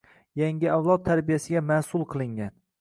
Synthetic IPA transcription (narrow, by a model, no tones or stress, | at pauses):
jaŋɡɪawlˠɒt̪ʰːaɾbijasɪɡʲamasʊlˠqʰɨlˠɪŋɡʲan